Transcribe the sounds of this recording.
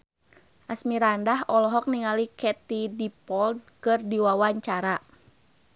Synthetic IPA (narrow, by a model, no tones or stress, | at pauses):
ʔasmiɾandaɦɔlɔɦɔk̚niŋalikɛt̪idipɔld̚kɨrdiwawaɲt͡ʃaɾa